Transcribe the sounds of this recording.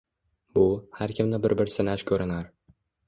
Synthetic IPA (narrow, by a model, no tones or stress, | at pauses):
bʊhaɾkʲʰɪmnɪbɪɾbɪɾsɪnat͡ʃkʲʰɵɾɪnaɾ